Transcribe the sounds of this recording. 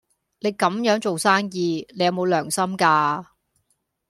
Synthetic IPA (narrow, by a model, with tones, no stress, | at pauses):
ne˨˧jkɐ˨˥mjœː˨˥ŋt͡so˨wsaː˥ŋjiː˧ne˧jɐ˨wmo˨˧wlœː˨˩ŋsɐ˥mkaː˧